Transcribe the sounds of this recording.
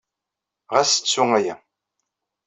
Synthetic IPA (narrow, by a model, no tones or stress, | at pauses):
ʁæsə̥t͡sːuŋæjæ̰